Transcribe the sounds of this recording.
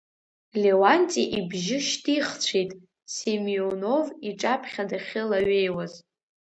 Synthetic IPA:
le̞wantʼiʔibʒɪʃtʰʼiχt͡ɕʷʰejtʼ | semiono̞viʈ͡ʂʼapʰχʲadaχʲɪlaɥejwaz

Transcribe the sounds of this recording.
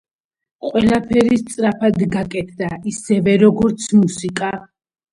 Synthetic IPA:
qʼwɛlˠapʰɛɾist̪sʼɾapʰad̪ɡakʼɛt̪ʰd̪aisɛvɛɾɔɡɔɾt̪sʰmusikʼa

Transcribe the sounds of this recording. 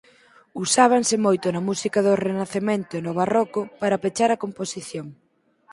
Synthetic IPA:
usaβ̞aŋsɪmojt̪ʊnɐmusikɐðʊrenaθement̪ʊenʊβarɔkʊpaɾɐpet͡ʃaɾɐkomposiθjoŋ

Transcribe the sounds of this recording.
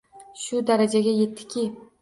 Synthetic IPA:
ʃʊd̪aɾad͡ʒaɡʲaje̞t̪ʰːɪ̥kʲʰɪ

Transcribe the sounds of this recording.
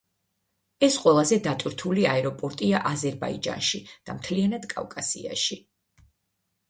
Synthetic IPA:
ɛsqʼwɛlˠazɛd̪at̪ʼwiɾt̪ʰuliaɛɾɔpʼɔɾt̪ʼiaʔazɛɾba̰ḭd͡ʒa̰nʃid̪̥amt̪ʰlianad̪̥kʼa̰vkʼasḭa̰ʃi

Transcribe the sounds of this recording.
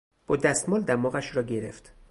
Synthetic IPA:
b̥ɒːd̪æst̪mɒːld̪æmɒːɣæʃɾɒːɟeɾḛft̪

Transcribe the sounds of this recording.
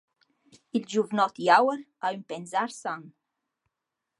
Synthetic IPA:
ild͡ʒuvnɔt̪iawəɾ | aympɛnzaɾsan

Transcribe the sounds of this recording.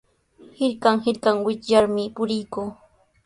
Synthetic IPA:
hɪɾkaŋɦɪɾkaŋwɪt͡ʃjaɾmɪpʊɾɪjkuː

